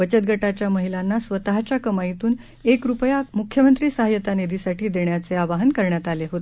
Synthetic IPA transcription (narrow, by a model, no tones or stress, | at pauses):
ʋət͡ɕət̪̚ɡʱəʈat͡ɕjaməɦilanːasʋət̪aɦat͡ɕjakəmait̪uːn | ekɾupjamukʰjəmənt̪ɾiːsəɦajət̪anid̪isaʈʰiːd̪eɳjat͡seaʋaɦənkəɾɳjat̪aleɦot̪e